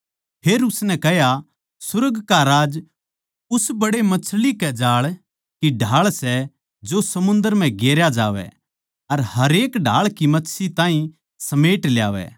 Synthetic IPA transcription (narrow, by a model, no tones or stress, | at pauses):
pʰeːɾʊsnɛ̃kɛɦja | sʊɾəɡkaɾaːd͡ʒ | ʊsbɐɽemɐt͡ʃʰlikɛd͡ʒaːɭ | kiɖʱaːɭsɛ | d͡ʒosɐmʊ̃nd̪əɾm̤ɛ̃ɡeːɾjad͡ʒa̰ːʋɛ̰ | ɐɾhɐɾeːkɖʱa̰ːɭkimɐtːsʰit̪ãːĩ | sɐmeːʈlja̰ːʋɛ̰ː